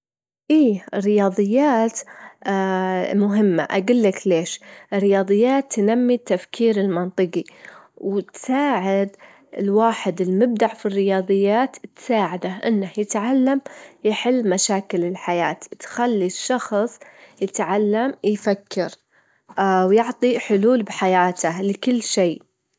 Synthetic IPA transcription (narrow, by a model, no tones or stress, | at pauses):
ʔiːrːɪjɑːðˤɨjːaːt̪ː | mʊɦɪmːa̰ʔaɡʊlːakleːʃɪrːɪjɑːðˤɨjːaːt̪ːnamːit̪ːafkʰiːɾɪlmɑnt̪ˤɨqiwt̪saːʕɪd̪ | ɪ̰lwaːħɪd̪ɪlmɪb̚d̪aʕfirːɪjɑːðˤɨjːaːt̪t̪saːʕɪd̪aʔɪnːahjɪt̪ʕalːamjɪħɪlːmaʃaːkɪlɪlħajaːt̪t̪xalːiʃːɑxsˤjɪt̪ʕalːamjfakʰːɪɾ | wjʊʕt̪ˤiħʊluːlbħajaːt̪ʰalɪkʊlːʃeː